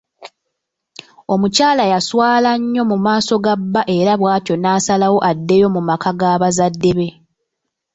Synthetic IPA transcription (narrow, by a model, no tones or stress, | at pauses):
o̞mucaːlajaswaːlaɲːo̞mumaːso̞ɡabːaʔe̞ɾaβwaːto̞naːsalawo̞ʔadːe̞jo̞mumakʰaɡaβazadːe̞βe̞